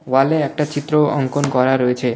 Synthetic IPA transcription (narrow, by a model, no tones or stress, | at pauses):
ʋaleak̚ʈat͡ʃit̪ɾoə̰ŋkonkɔɾaɾoet͡ʃʰe